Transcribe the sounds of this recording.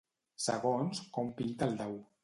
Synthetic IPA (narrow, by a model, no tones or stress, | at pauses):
sə̰ɣonskɔmpint̪əlˠd̪ɛw